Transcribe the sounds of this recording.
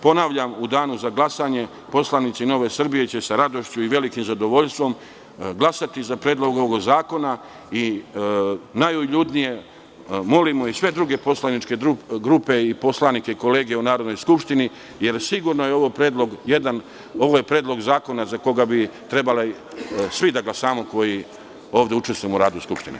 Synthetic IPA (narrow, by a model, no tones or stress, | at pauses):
po̞naʋʎamud̪aːnuzaɡlˠasaɲe̞ | po̞slˠanit̪sino̞ʋe̞sr̩bije̞t͡ɕe̞saɾad̪o̞ʃt͡ɕuiʋe̞likimzad̪o̞ʋo̞ʎʲst̪ʋo̞m | ɡlˠasat̪izapɾeːd̪lˠo̞ɡoʋoɡzaːko̞na | i | najujʎud̪nije̞ | mo̞limoisʋe̞d̪ɾuɡe̞po̞slˠanit͡ʃke̞uɡɾupe̞ipo̞slˠanike̞iko̞leːɡeunaːɾod̪nojskupʃt̪ini | je̞ɾsiɡuɾno̞jeo̞ʋopɾeːd̪lˠo̞ɡje̞d̪an | o̞ʋojepɾeːd̪lo̞ɡzaːko̞nazako̞ɡabit̪ɾe̞bale | sʋid̪aɡlasaːmoko̞ji | o̞ːʋd̪e̞ut͡ʃest̪vujemoɾaːd̪uskupʃt̪inḛ